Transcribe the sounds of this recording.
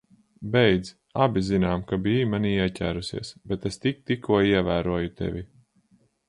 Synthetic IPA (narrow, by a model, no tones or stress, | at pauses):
bɛjd̪z | abizinaːmkabiːmaniiɛcʲæ̰ːɾusḭɛsbɛt̪est̪ik̚t̪ikʰːuɔiɛvæːɾuɔjut̪ɛ̰vʲi